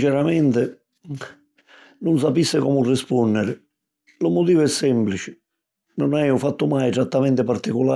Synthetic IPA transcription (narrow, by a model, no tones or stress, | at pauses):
t͡ʃɛɾamɛnt̪ɪ | nʊns̬apisːɪkɔmʊrːɪspɔnːɛɾɪ | lʊmʊt̪iːvʊɛsːɛmplit͡ʃɪ̥ | nʊnajʊfat̪ːʊmajt̪ɾat̪ːamɛnt̪ɪpaɾt̪ikʊla